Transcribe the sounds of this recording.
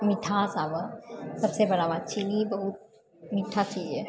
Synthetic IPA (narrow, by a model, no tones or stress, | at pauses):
mɪʈʰasaːbasɐbsebɐɽaʋaːt̪̚t͡ʃʰinibɐɦut̪̚ | mɪʈʰat͡ʃie